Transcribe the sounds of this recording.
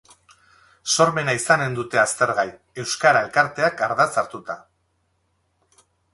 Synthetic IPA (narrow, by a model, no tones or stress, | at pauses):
so̞ɾme̞naisane̞nd̪ut̪e̞ast̪e̞ɾɣaj | e̞wskaɾae̞lkaɾt̪e̞akaɾðat͡saɾt̪ut̪a